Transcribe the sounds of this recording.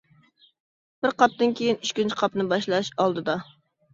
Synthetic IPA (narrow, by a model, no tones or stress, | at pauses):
b̥ɪɾqʰɑp̚d̪ɨnkʲʰejinyt͡ʃkʲint͡ʃʰɪ̥qʰɑpnɨbɑʃlˠɑʃɑlˠd̪ɨd̪ɑ